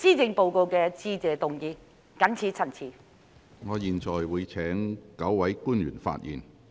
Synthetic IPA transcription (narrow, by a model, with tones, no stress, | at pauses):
t͡siː˥t͡sɪ˧ŋpo˨˧wko˧wkɛː˧t͡siː˥t͡sɛː˨t̪ʊ˨ŋjiː˧ | kɐ˨˥nt͡sʰiː˨˧˥t͡sʰɐ˨˩nt͡sʰiː˨˥ | ŋɔː˨˧jiː˨nt͡ʃɔː˨˩jwuː˨˧jt͡sʰɛː˨˥ŋkɐ˨˥wwɐ˨˥jkuː˥njy̰ː˨˩nfa̰ː˧t̚jḭː˨˩n